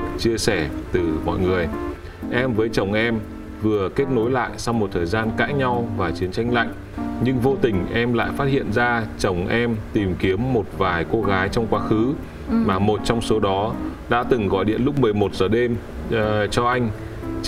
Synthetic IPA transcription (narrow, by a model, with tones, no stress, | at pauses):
t͡ɕi˧əsɛ˧˩t̪ɨ˨˩mɔ̰˧˨jŋɨ˨˩əj | ʔɛ˧mvəː˨˦jt͡ɕə˨˩wŋ͡mʔɛ˧m | vɨ˨˩əke˦˥t̚no˨˦jla̰ː˧˨jsa˧wmo˨˩t̚t̪ʰəː˨˩jzaː˧nka̰ː˧˥jɲa˧wvaː˨˩t͡ɕi˨˦ənt͡ɕa˧jŋ̟la̰˧˨jŋ̟ | ɲɨ˧ŋvo˧t̪ï˨˩ŋ̟ʔɛ˧mla̰ː˧˨jfaː˦˥t̚hḭ˧˨ənzaː˧t͡ɕə˨˩wŋ͡mʔɛ˧mt̪i˨˩mki˨˦əmːo˨˩t̚vaː˨˩jko˧ɣaː˨˦jt͡ɕɔ˧wŋ͡mkwaː˧xɨ˨˦ | maː˨˩mo˨˩t̚t͡ɕɔ˧wŋ͡mso˨˦ɗɔ˨˦ɗa̰ː˧˥t̪ɨ˨˩ŋɣɔ̰˧˨jɗḭ˧˨ənlʊ˦˥k͡p̚mɨ˨˩əjmo˨˩t̚z̥əː˨˩ɗe˧m | t͡ɕɔ˧ʔa˧jŋ̟